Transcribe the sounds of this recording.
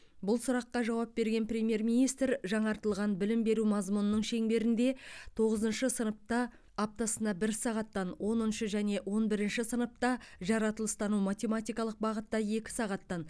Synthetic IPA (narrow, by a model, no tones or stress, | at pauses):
bʊlˠsʊɾɑqːɑʒɑwɑp̚be̞ɾɡʲe̞nprʲe̞mʲije̞rmʲijnijst̪ɾʒɑɴɑɾt̪əlˠʁɑnbɪlɪmbe̞ɾumɑzmunənəɴʃe̞ŋbe̞ɾɪnd̪e̞t̪ʰo̞ʁəzənʃəsənəp̚t̪ɑː | p̚t̪ɑsənd̪ɑbɪɾsɑʁɑt̪ːɑnwo̞nənʃəʒæne̞ʔwʔo̞nbɪɾɪnʃɪsənəp̚t̪ɑʒɑɾɑt̪əlˠəst̪ɑnumat̪ʲe̞mat̪ʲijkɑlˠəq̚bɑʁət̪ːɑje̞kʲɪ̥sɑʁɑt̪ːɑn